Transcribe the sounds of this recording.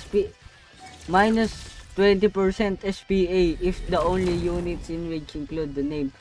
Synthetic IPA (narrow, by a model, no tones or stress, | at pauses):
pi | majnʊst̪wɛ̃nt̪ipɛɹsɛ̃nt̪ɛspiejʔɪfd̪ɐʔõnlijunɪt̪sɪ̃nwid͡ʒɪ̃nklud̪̚ːɐnẽjm